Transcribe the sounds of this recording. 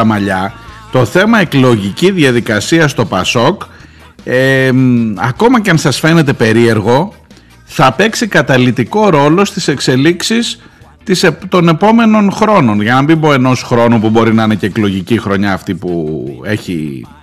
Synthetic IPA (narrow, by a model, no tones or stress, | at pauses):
ɐmɐʎɐt̪o̞θe̞mɐe̞klo̞ʝiciðjɐðikɐsiɐst̪o̞pɐso̞k | e | ɐko̞mɐceɐnsɐsfe̞ne̞t̪e̞pe̞ɾie̞ɾɣo̞ | θɐpe̞ksikɐt̪ɐlit̪iko̞ɾo̞lo̞st̪ise̞kse̞liksis | t̪iset̪o̞ne̞po̞me̞no̞nxɾo̞no̞nʝɐnɐmbipo̞e̞no̞sxɾo̞nupubo̞ɾinɐine̞ce̞ːklo̞ʝicixɾo̞ɲɐːft̪ipue̞çḭ